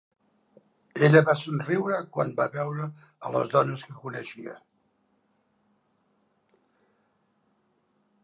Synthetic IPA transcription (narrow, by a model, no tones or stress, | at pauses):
eʎəβasunriwɾəkwa̰nbaβɛwɾəːlə̰zðɔnəskəkunəʃiə̰